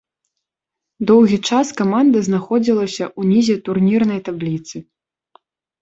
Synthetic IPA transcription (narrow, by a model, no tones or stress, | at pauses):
d̪ɔwɣʲit͡ʂaskamand̪ɐznaxɔd͡zʲilˠɐsʲɐʔunʲizʲɛt̪urnʲirnɐjt̪ablʲit̪sɨ